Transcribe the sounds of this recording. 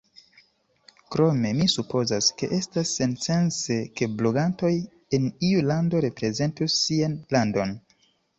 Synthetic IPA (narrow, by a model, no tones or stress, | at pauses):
kɾo̞me̞misupo̞zaske̞ʔe̞stasːe̞nse̞nse̞ke̞blo̞ɡanto̞j | eniulando̞ɾe̞pɾe̞ze̞ntusːianlando̞n